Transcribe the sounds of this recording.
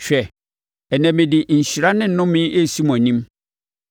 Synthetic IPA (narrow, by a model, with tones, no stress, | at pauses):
ɕᶣɛ˨ | ɛ˨næ̃˨mɪ̃˨dɪ˨ɲ̩˨ɕi˨ɾa˦nɪ̃˦n̩˨nʊ̃˦mɪ̃˦ʔe˦si˦m˨ã˨nĩ˦m